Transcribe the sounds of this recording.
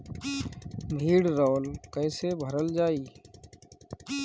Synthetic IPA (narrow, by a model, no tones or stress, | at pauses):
mʱiːɽɾoːlkəːseːbʱəɾəld͡ʒaːiː